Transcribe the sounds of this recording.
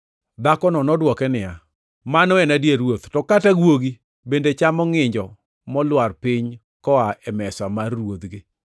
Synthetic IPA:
d̪akɔnɔnɔdwɔkɛnɪja | manɔɛnadjeɾwot̪tɔkataɡwoɡi | bendet͡ʃamɔŋɪɲd͡ʒɔ | mɔlwarpɪɲ | kɔaɛmɛsamarːwod̪ɡɪ

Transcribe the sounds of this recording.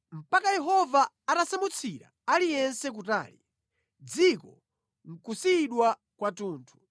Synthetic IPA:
m̩pakajɛɦɔvaːtasamut͡sʰiɾa̰alijɛnsɛk̬uta̰ːlḭ | d͡zikɔ | ŋ̩kusiːɗwa | kwatuːntʰu̥

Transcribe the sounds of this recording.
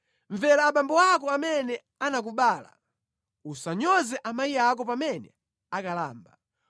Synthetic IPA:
ɱvɛɾaːɓambɔak̬ɔamɛnɛ | anak̬uɓaːla̰ | usaɲɔzɛʔamaiak̬ɔpamɛnɛ̰ | akala̰ːmba

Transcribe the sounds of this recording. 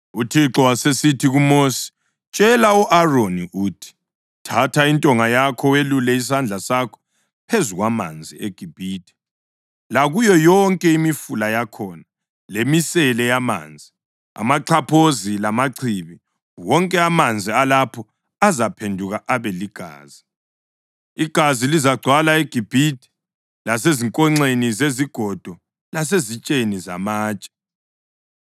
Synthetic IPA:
utʰiǁɔwasesitʰiɣumoːsi̥ | t͡ʃʼɛlauʔaroniʔuːtʰi̥ | tʰatʰaintʼɔŋajakʰɔwelulɛis̬and͡ɮʱasakʰɔ̥ | pʰezuɣwama̰nd͡zʱieɡ̥ʱib̥ʱiːtʰʼɛ̥ | laɣujɔjɔŋkʼɛimifulajakʰɔːna | lemisɛlɛjama̰ːnd͡zʱi | a̰maǀʰapʰozilamaǀʰiβi | wɔŋkʼɛamand͡zʱialapʰɔ | azapʰendʱuɣaʔaβɛliɡ̥ʱa̰ːz̥i | iɡ̥ʱazilizaɡ͡ǀʱwalaeɡ̥ʱib̥ʱitʰʼi̥ | las̬eziŋkʼɔŋ͡ǀenizeziɡ̥ʱɔd̥ʱɔ | las̬ezit͡ʃʼeniza̰maːt͡ʃʼɛ̥

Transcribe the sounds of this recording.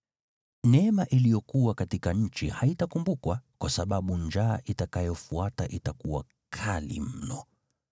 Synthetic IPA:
nɛmaʔilijɔkuwakatikaɲ̩t͡ʃihaitakumbukwakwasaɓaɓund͡ʒa̰ːʔitakajɔfuataʔitakuwa̰ | kʰalḭm̩nɔ

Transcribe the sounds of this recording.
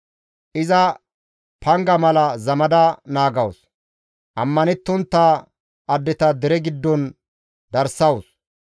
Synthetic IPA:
ʔɪzɐ | pʰɐŋɡɐmɐlɐzɐmɐd̪ɐnaːɡɐws | ʔɐmːɐnɛt̪ːɔnt̪ːaː | ʔɐd̪ːɛt̪ɐd̪ɛɾɛɡɪd̪ːɔn | d̪ɐɾsɐws

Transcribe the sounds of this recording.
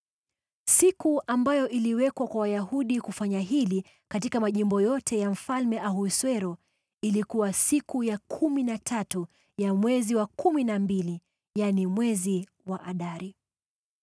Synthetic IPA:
sikuʔambajɔʔiliwɛkwakwawajaɦuɗikufaɲaɦili | katikamaʄimbɔjɔtʰɛjam̩falmɛʔahuswɛɾɔ | ilikuwasikujakʰuminatʰatu | jamwɛziwakuminambili | janimwɛzi | waʔaɗaɾi

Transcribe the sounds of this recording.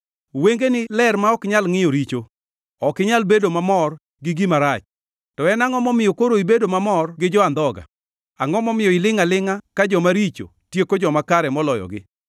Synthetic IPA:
weŋɡenɪlɛrmaɔkɪɲalŋɪjoɾit͡ʃo | ɔkɪɲalbedomamɔr | ɡɪɡimaɾat͡ʃ | tɔɛnaŋɔmɔmɪjɔkoɾoibedomamɔrɡɪd͡ʒɔand̪ɔɡa̰ | aŋɔmɔmɪjɔɪlɪŋalɪŋakad͡ʒɔmaɾit͡ʃo̰ | tjekod͡ʒɔmakaɾɛmɔlɔjɔ̰ɡɪ̰

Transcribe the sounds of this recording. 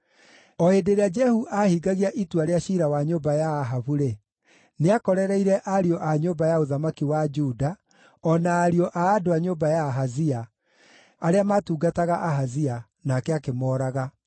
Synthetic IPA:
ɔedeɾead͡ʒɛhuʔahiɡaɣiaʔituaɾeaɕiɾawaɲoːbajaːɦaβuɾe | neakɔɾɛɾɛiɾɛʔaɾiɔʔaɲoːbajaoðamakiwad͡ʒuːda | ɔnaːɾiɔʔaːdoaɲoːbajaːɦaziaː | ɾeamaːtuːɡataɣaʔaɦazia | nakɛakemɔːɾaɣa

